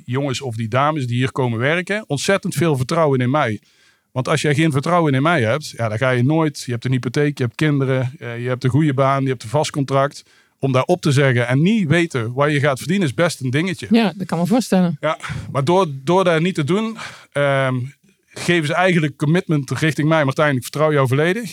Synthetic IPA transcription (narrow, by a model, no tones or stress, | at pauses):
jɔŋəsɔfdidaːməsdiɦiːɹkowmənʋɛɹkəɔntsɛtəntfɪːlˠvəɹtrɔwənɪnmɛj | ʋɑntɑlˠsjəɣejnvəɹtrʌwənɪnmɛjɦɛp̚tjadaːɹɣaːjənoːjtjəɦɛp̚tənɦipotejkjəɦɛp̚tkɪndərəjəɦɛp̚təɣujəbaːnjəɦɛp̚tənvɑstkɔntrɑkt | ɔmdaːɹɔp̚təzɛɣənɛnːiʋejtəʋajəɣaːtfərdinənɪsbɛstəndɪŋəcəjadtkɑnməvʊːstɛləjamaːɹdoːɹdoːɹdatnitədunə | ɣejvəzəɛjɣəndləkːɔmɪtməntrɪxtɪŋmɛjmœtɛjndləkfə̥ɹtrɑwjɔwvoːlejdəx